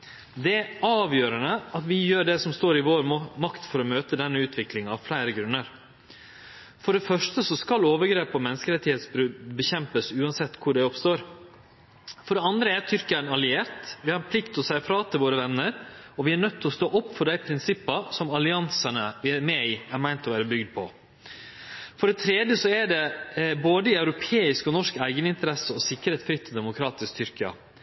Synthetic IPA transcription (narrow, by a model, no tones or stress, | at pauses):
d̪ɛɑːʋjøːɾəɳəɑt̪ʋɪjøːɖɛsɔmst̪oːɾɪʋoːɾmɑkt̪fɔɾɔmøːt̪əd̪ɛnːəʉːt̪ʰʋɪklɪŋɑʋflæɪɾəɡɾʉnːəɾ | fɔɖɛfœʂʈəsɔskɑloːʋəɾɡɾeːpɔmɛnəskəɾɛt̪ːɪheːt̪sbɾʉd̪bəçɛmpəsʉːɑnsɛt̪ːkʰʊɖɛɔpst̪oːɾ | fɔɖɛɑnd̪ɾəæɾt̪ʰʏɾkənɑlɪeːɾt̪ʋɪhɑɾpʰlɪkt̪ʰɔsæɪfɾɑːt̪ʰɪlʋoːɾəʋɛnːəɾɔʋɪæɳœt̪ʰːɪlɔst̪oːʔɔpːfɔɖæɪpʰɾɪnsɪpːɑsɔmɑlɪɑnsɑnəʋɪmɛɪæɾmæɪnt̪ɔʋæːɾəbʏɡd̪̚pʰɔ | fɔɖɛt̪ʰɾeːd̪jəsɔæɖɛboːd̪əɪœʉɾʊpʰeːɪskɔnɔʂkæɪɡənɪnt̪əɾɛsəɔsɪkːəɾeːt̪sfɾʏt̪ʰːɪd̪ɛmʊkʰɾɑːt̪ɪskt̪ʰʏɾkəɑ̰